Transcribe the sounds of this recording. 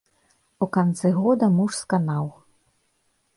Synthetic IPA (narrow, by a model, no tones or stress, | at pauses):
ukant̪sɨɣɔd̪ɐmuʂskanaw